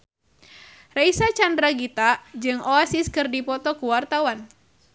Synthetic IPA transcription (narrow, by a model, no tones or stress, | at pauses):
raisat͡ʃandɾaɡit̪ad͡ʒɨŋɔasiskɨrdipɔt̪ɔkuwart̪awan